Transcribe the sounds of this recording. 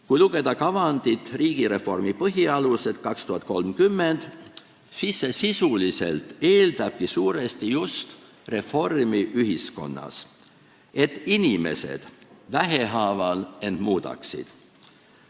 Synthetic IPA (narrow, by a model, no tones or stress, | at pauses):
kujluɡ̥e̞d̪̥ɑkɑvɑnd̪it̪ːˑriːɡ̥iɾe̞fo̞̰rmipɤɦiɑluse̞d̪̥kɑkst̪uhɑt̪̚ːˑko̞lmkymːe̞nd̪̥ | sisːe̞sisulise̞̰lt̪ːe̞ːld̪ɑb̥̚kisuːɾe̞st̪ijust̪ | re̞fo̞rmiʔyɦisko̞̰nːɑ̰s | e̞t̪ːˑinime̞̰se̞̰d̪̥væɦe̞ɦɑːvɑle̞nd̪̥muːd̪ɑ̰ksḭd̪̥